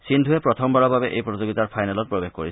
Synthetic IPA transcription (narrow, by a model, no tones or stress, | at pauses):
sindʱuepɹɔt̪ʰɔmbaɹɔbabeʔejpɹɔzoɡit̪aɹpʰajnalɔt̚pɹɔbexko̰ɹi